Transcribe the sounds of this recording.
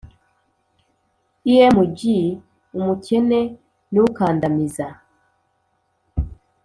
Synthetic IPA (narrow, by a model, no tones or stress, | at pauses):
ijemuɟi | umuce̞ne | nuukaːndamiza